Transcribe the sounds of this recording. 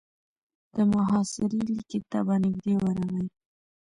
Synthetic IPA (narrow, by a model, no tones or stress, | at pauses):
d̪̥əmʊɦɑsɪɾiliket̪abanɪɡd̪ewəɾaɣaj